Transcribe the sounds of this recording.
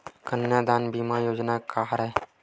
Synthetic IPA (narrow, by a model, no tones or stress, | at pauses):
kənjad̪aːnbimajoːd͡ʒnakaɦɾɛ